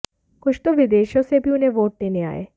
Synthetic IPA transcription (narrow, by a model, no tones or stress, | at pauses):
kʊt͡ʃʰt̪oʋɪd̪eːʃõsebʱiʊnɦẽʋoːʈ̚d̪eːnea̰ːḛː